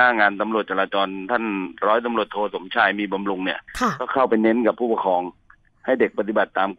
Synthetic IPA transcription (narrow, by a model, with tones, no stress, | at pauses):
aː˥˩ŋaː˧nt̪a˧mɾu˨˩t̪̚t͡ɕa˧laː˧t͡ɕɔː˧nt̪ʰa˥˩nɾɔː˦˥jt̪̬a˧mlu˨˩ət̪ʰːoː˧so˩˦mt͡ɕʰaː˧˥˩jmiː˧ba˧mɾu˧ŋni˦˥˩ɐ˩kɔː˥˩kʰa˥˩wpa˧jne˦˥nka˨˩pʰːuː˥˩pa˧kʰɔː˨˧ŋ | ha˥˩jde˨˩k̚pa˧t̪i˨˩ba˨˩t̪ːaː˧m